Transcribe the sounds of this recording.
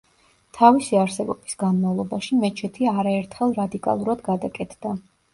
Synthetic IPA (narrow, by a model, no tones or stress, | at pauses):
t̪ʰavisiaɾsɛbɔb̥isɡanmavlˠɔbaʃimɛt͡ʃʰɛt̪ʰiaɾaɛɾt̪ʰχɛlˠɾad̪ikʼa̰lˠuɾad̪ɡad̪akʼɛt̪ʰd̪̥a